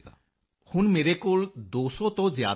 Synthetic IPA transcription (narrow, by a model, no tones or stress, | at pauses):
hunmeɾekuld̪oːsot̪ɔzjaː